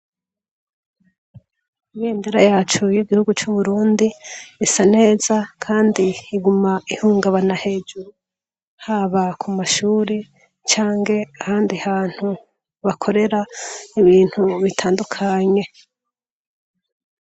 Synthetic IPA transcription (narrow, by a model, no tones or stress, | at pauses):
ijeːndeɾajaːt͡ʃujiɡihuɡut͡ʃuβuɾuːndiːsane̞ːzakʰaːndiːɡumaihuːŋɡaβanahe̞ːd͡ʒuɾu | haβakʰumaʃuːɾe | t͡ʃaːŋɡe̞ahaːndihaːn̥hu | βakʰo̞ɾe̞ɾaiβiːn̥huβitʰaːndukʰaɲe̞